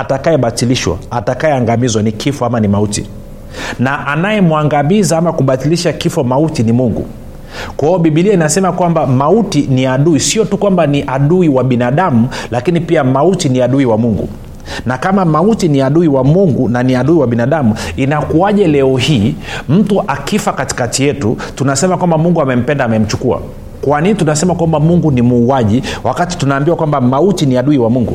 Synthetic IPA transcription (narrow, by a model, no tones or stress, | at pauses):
atakajɛɓatiliʃwa̰atakajɛaŋɡamizwanikʰifɔamanimautḭ | naʔanajɛmuaŋɡamizaamakuɓatiliʃakifɔmautinimuŋɡṵ | kwaɔɓiɓiliainasɛmakwambamautiniaɗuisiɔtukwambaniʔaɗuiwaɓinaɗamulakinipiamautiniaɗuiwamuŋɡṵ | nakamamautiniaɗuiwamuŋɡunaniaɗuiwaɓinaɗamuinakuaʄɛlɛɔɦiːm̩tuʔakifakati̥katijɛtutunasɛmakwambamuŋɡuamɛm̩pɛndaːmɛm̩t͡ʃukua̰ | kwaninitunasɛmakwambamuŋɡunimuːaʄiwakati̥tunaːmbiwakwambamautiniaɗuiwamuŋɡṵ